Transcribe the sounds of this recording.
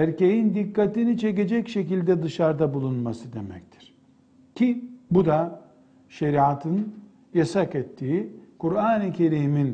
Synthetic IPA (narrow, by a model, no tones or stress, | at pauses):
æɾce̞jind̪ikːat̪init͡ʃʰe̞k̬e̞d͡ʒɛcʃecilʲd̪ɛd̪ɯʃaɾd̪abulˠunmasɯd̪e̞mɛ̰ct̪ʰi̥ɾ̥ | cʲʰibud̪a | ʃeɾiat̪ʰɯn | jasakɛt̪ʰːiːikuɾaːnɯcʰe̞ɾiːmin